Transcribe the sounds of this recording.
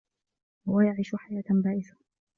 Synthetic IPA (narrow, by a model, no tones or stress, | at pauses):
wajaʕiːʃʊħajaːt̪nbaːʔɪθḁ